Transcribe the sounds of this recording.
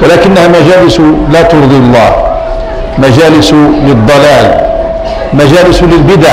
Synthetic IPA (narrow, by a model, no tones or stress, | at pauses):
wɪlaːkɪnːahamad͡ʒaːlɪslaːt̪ʊɾd̪ˤilˤːɑ̰ːh | mad͡ʒaːlɪslɪd̪ˤːɑlaːl | mad͡ʒaːlɪslɪlbɪd̪aʕ